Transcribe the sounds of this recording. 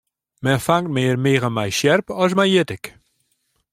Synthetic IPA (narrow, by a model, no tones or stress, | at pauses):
mɛnfaŋt̚mɪːrmeːɣənmɛjʃjɛrpɔs̬mɛjjɪtɪk